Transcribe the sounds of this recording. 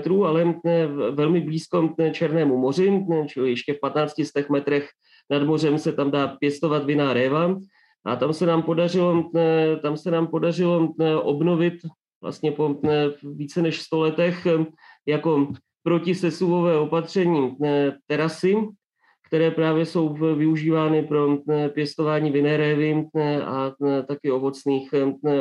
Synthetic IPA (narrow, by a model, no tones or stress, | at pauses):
t̪ɾuːalɛvɛlmɪbliːsko̞t͡ʃɛɾnɛːmumo̞r̝ɪt͡ʃɪlɪjɛʃcɛfpat̪naːt͡scɪst̪ɛxmɛt̪ɾɛx | nadmo̞rɛmsɛt̪amdaːpjɛst̪o̞vat̪vɪnaːɾɛːva | ʔa̰t̪amsɛnaːmpo̞darɪlo̞t̪amsɛnaːmpo̞darɪlo̞ʔo̞bno̞vɪt̪ | vla̰st̪ɲɛpoviːt͡sɛnɛʃst̪o̞lɛt̪ɛxjako̞ | pɾocɪsɛsuvo̞vɛːo̞pat̪r̝̥ɛɲiːt̪ɛɾasɪ | kt̪ɛɾɛːpɾaːvjɛso̞wvɪuʒiːvaːnɪpɾo̞pjɛst̪o̞vaːɲiːvɪnɛːɾɛːvɪa̰t̪akɪo̞vo̞t͡sniːx